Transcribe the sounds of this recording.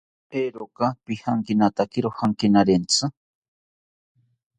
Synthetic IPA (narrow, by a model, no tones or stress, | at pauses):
heɾokapihaŋkinat̪akiɾohaŋkinaɾent͡sʰɨ